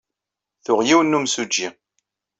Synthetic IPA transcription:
θʊʁjiwənːumsud͡ʒːi

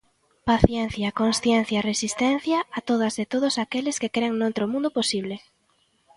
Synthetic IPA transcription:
paθjɛn̟θjɐkonsθjɛn̟θjɐresist̪ɛn̟θjɐːt̪oðɐzðet̪oðʊsakelɪskekɾeŋnowt̪ɾomũnd̪ʊposiβle

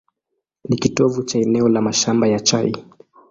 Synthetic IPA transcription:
nikitɔvut͡ʃaɛnɛɔlamaʃambajat͡ʃai

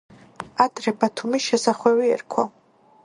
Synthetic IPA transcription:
ad̪ɾɛbat̪ʰumisʃɛsaχwɛwiɛ̰ɾkʰwa

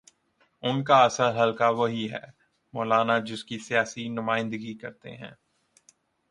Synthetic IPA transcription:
ʊnkaɐsəlɦɐlkaʋɐɦiɦɛ̰ː | mɔːlaːnad͡ʒɪskisijaːsinʊmaːɪ̃nd̪əɡikɐɾt̪ḛɦɛ̃ː

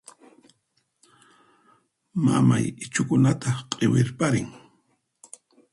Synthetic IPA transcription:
ma̰ma̰jɪt͡ʃʊkʊnat̪ʰaqʼewɪɾpaɾɪŋ

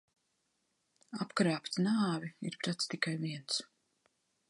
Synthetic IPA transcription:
apkɾaːpt̪naːviḭɾpɾat̪st̪ikajviɛns

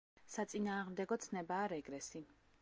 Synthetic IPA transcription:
sat̪sʼinaːʁmd̪ɛɡɔt̪sʰnɛbaːɾɛɡɾɛsi

